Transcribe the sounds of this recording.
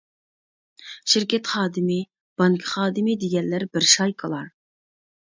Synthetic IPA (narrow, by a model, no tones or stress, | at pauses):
ʃɪɾkʲɛt̪χɑːd̪ɪmɪ | b̥ɑŋkʰə̥χɑːd̪ɪmɪd̪eɡʲɛnlɪɾbɪɾʃɑjkʰɑlˠɑɾ